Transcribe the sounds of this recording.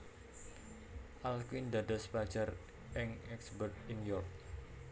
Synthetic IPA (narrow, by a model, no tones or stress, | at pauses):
ʔalkind̪adəspḁd͡ʒar | ʔɪŋɛksbərt̪̚iŋjɔrk̚